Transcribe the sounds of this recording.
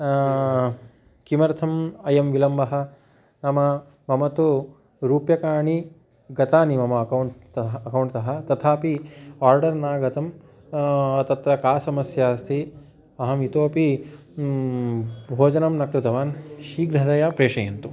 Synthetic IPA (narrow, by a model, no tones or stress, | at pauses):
kimɐɾt̪ʰɐmɐjɐmʋilɐmbɐɦɐ̆ | nɐmɐ | mɐmɐt̪u | ɾuːpjɐkaːɳi | ɡɐt̪aːnimɐmɐɐkɐwɳtɐɐkɐwɳʈt̪ɐɦɐ̆t̪ɐt̪ʰaːpiaːɾɖɐɾnaːɡɐt̪ɐm | t̪ɐt̪ɾɐkaːsɐmɐsjaːst̪ʰi | ɐɦɐmit̪oːpi | bʱoːd͡ʒɐnɐmnɐkɾɪt̪ɐʋaːnʃiːɡɾɐd̪ɐjaːpɾeːʂɐjɐnt̪u